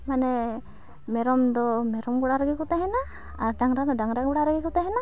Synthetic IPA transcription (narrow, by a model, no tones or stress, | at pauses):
manɛ | mɛɾɔmd̪ɔmɛɾɔmɡuɽaɾəɡikɔt̪ɛɦɛna | aɾɖaŋɾad̪ɔɖaŋɾaɡuɽaɾəɡikɔt̪ɛɦɛna